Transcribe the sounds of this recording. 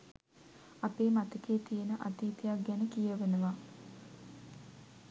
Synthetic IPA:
apeːmat̪əkeːt̪ijənəʔat̪iːt̪ejak̚ɡɛnəkijəʋenəʋa

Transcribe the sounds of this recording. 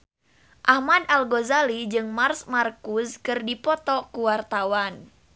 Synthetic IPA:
ʔahmadalɡozalid͡ʒɨŋmarsmarkuskɨrdipɔt̪ɔkuwart̪awan

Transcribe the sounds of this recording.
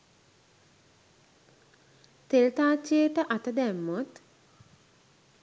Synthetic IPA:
t̪elt̪aːt͡ʃːijəʈəʔat̪əd̪æmːot̪

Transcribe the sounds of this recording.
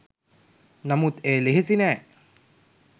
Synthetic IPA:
nɐmut̪eːleɦisinæj

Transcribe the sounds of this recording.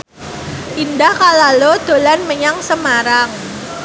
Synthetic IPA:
ʔindahkalalod̪̥o̤lanməɲaŋsəmaɾaŋ

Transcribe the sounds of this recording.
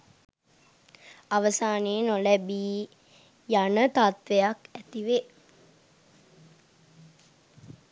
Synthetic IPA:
aʋəsaːneːnolɛbiː | janət̪at̪ʋejakæt̪iʋe

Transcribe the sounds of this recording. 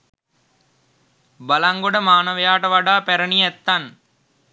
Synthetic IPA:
balaŋɡoɖəmaːnəʋəjaːʈəʋaɖaːpæɾəniɛt̪ːan

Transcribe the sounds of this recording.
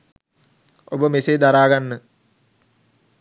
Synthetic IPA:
obəmeseːd̪aɾaːɡanːə

